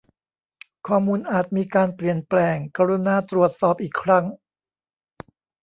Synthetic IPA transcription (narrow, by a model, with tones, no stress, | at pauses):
kʰɔː˧˩muː˧nʔaː˨˩t̪̚miː˧kaː˧npli˨˩ənplɛː˧ŋkaː˧ɾu˧˥naː˧˩t̪ɾu˨˩ət̪̚sɔː˨˩p̚ʔiː˨˩kʰɾa˦˥ŋ